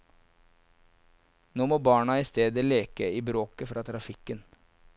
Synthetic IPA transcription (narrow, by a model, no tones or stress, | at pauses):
noːmoːbɑːɳɑiːst̪eːd̪əleːkəiːbɾoːkəfɾɑːt̪ʰɾɑfɪkən